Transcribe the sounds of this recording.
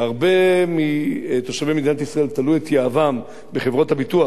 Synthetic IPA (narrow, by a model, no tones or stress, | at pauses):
aʁbe̞mit̪o̞ʃavemid̪inatisʁae̞lt̪alujet̪jaavam | be̞χe̞vʁo̞thabitua